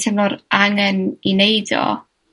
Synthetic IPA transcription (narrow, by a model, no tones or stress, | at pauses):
tʰɛmnɔɾaŋɛninejdɔ̰